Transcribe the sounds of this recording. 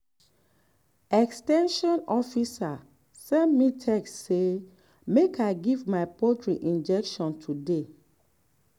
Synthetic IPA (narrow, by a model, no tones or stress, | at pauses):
ɛkstɛ̃nʃɔ̃nɔfisa | sɛ̃nmitʰɛkse | mekaɪɡivmaɪpotɹiʔĩnd͡ʒɛkʃɔ̃ntʰude